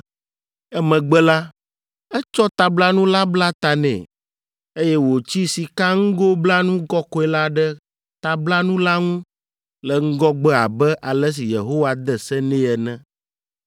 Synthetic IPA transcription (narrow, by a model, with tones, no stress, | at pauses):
ɛ˦mɛ̃˨ɡ͡bɛ˦la˦ | ɛ˦t͡ʃɔ˦t̪a˨bla˦nũ˦la˦bla˦t̪a˨nɛ̰̃˨ | e˦jɛ˦wo˨t͡ɕi˦si˨ka˦ŋ̩˦ɡo˦bla˦nũ˦ɡɔ˦kɔ˦ɛ˨la˦ɖɛ˦ | t̪a˨bla˦nũ˦la˦ŋũ˦ | lɛ˨ŋ̩˦ɡɔ˦ɡ͡bɛ˦a̰˨bɛ˦ʔa˨lɛ˦s̬i˨jḛ˨ɦo˦wa˨d̪ɛ˨sɛ˦nɛ̃˦ɛ˨nɛ̃˦